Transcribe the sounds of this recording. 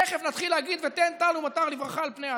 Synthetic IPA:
eχevnat̪χilːeaɡid̪vet̪ent̪alumat̪aʁlivʁaχaːlpneja

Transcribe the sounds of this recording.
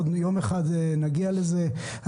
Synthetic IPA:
djo̞meχad̪naɡialeze

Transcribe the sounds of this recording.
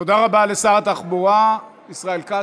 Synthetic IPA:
od̪aʁabalesaʁat̪aχboʁa | isʁaelka

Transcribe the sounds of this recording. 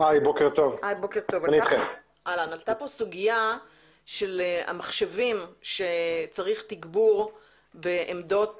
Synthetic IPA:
ajbokeʁt̪o̞vajbo̞keʁt̪o̞vanitχem | ʔalanalt̪apo̞suɡija | ʃela̰maχʃevimʃet͡saʁiχt̪iɡbuʁ | beʔemdo̞t

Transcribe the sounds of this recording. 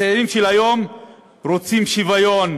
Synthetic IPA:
eːɾimʃelajo̞m | ɾot͡simʃivajo̞n

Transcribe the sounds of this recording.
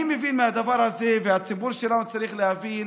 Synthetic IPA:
imevinmehad̪avaɾhazevehat͡sibuɾʃelanut͡saɾiχlehavi

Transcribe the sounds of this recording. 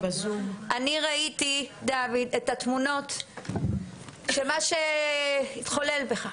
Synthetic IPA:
zumʔaniʁaitidavid̪etatmuno̞t | ʃemaʃe | it̪χo̞lelbeχa

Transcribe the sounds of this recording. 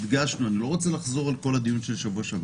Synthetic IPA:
d̪ɡaʃnuanilo̞ʁo̞t͡se̞laχzo̞ʁalko̞lad̪ijunʃe̞lʃavuaʃav

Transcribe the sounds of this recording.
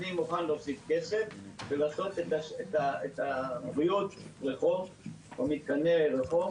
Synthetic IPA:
nimuχanlofsifkesefvelaːso̞t̪et̪aʃet̪aet̪aʁiut̪ʁeχov | amit̪̚kaneʁeχo

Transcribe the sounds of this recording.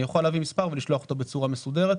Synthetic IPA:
joχaleaːvimispaʁveliʃloaχot̪obet͡suʁamesud̪eʁet̪

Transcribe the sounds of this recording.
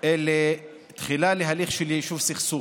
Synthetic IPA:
ele | t̪χilaleɦaliχʃeljejʃuvsiχsu

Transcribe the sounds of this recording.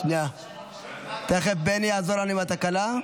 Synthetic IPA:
na | t̪eχefbenijaːzoɾanimat̪akala

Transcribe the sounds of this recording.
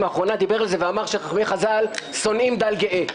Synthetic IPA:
maːχʁo̞nad̪ibe̞ʁalze̞veamaʁʃeχaχme̞jχazalso̞nimd̪alɡeʔe

